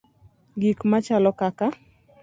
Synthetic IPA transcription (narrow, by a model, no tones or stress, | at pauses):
ɡikmat͡ʃalɔkaka